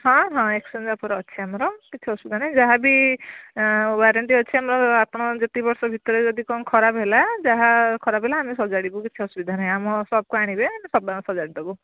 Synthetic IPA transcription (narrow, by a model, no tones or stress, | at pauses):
ɦãɦãeksind͡zapʰɔɾɔːiamɾɔkit͡ʃʰiʌsubid̪ʱanaj̃d͡zaɦabi | waɾeɳʈiʌːiamɾɔapʰɽɔd͡ʒʌt̪ibɔɾsɔbʱit̪ɔɾed͡zʌd̪ikɔnkʰɔɾabɦelad͡zaɦakʰɔɾabʱelaːmisɔd͡zaɽibukit͡ʃʰiʌsubid̪ʱanaɦj̃amɔsɔb̚koaɽ̃ibenisɔbamasɔd͡zaɽid̪ɡu